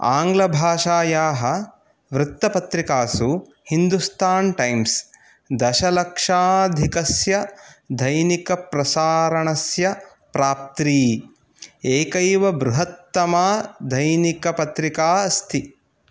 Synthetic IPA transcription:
a̰ːŋɡlɐbʱaːʃaːjaːɦɐ | ʋɾut̪ːɐpɐt̪ɾikaːsu | hind̪ust̪ʰaːnʈɐjms | d̪ɐʃɐlɐkʂaːd̪ʱikɐsjɐd̪ʱɐjnikɐpɾɐsaːɾɐɳɐsjɐ | pɾaːp̚t̪ɾiː | eːkɐjʋɐbɾuɦɐt̪ːɐmaːd̪ʱɐjnikɐpɐt̪ɾikaːɐst̪ʰi

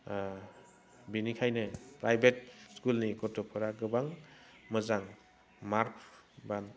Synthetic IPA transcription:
binikʰajnɯpɾajbʱet̚skulnikɔɾtʰɔpʰɔɾaɡɯbaŋ | mɯzaŋ | maɾkʰban

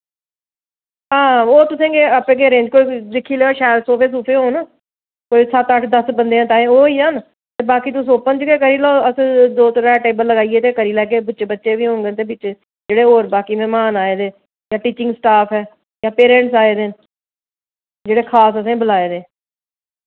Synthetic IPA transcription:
ɦãːoːt̪ʊsẽːɡeːəpẽːɡeːɾẽːd͡ʒkoːiːd̪ɪkʰːiːleoːʃɛːɾsoːpʰeːs̬uːpʰeːɦoːnaː | koːisət̪əʈʰd̪əsbənd̪eːãːt̪ãːẽːoːiːaːn | t̪eːbaːkiːt̪ʊsoːpənd͡ʒkeːkəɾiːloːəsd̪oːt̪ɾɛːʈeːbəllːəɡaːieːt̪eːkəɾiːlɛːk̬eːbətːʃebətːʃeːbiːɦõːŋɡ̪eːt̪eːbɪt͡ʃː | d͡ʒeːɽeːoːɾbaːkiːmɛ̃ːmaːnaːeːd̪eː | jãːʈiːt͡ʃɪ̃ŋɡsʈaːpʰɦɛː | jãːpeːɾẽːɳʈsaːeːd̪eːn | d͡ʒeːɽeːkʰaːsəsẽːbəlaːeːd̪ẽː

